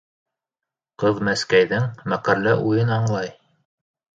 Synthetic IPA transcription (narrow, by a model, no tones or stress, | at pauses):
qɤðmæskæjðɘŋmæqælːæʔujɤnɑɴlˠɑj